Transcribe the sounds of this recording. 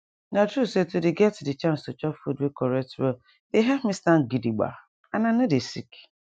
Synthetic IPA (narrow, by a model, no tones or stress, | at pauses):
natɾusetudeɡɛtdɪt͡ʃãnstot͡ʃɔfudwekʰɔɾɛtwɛ | deɦavmĩstãnɡidiɡ͡ba̰ | anãnedesik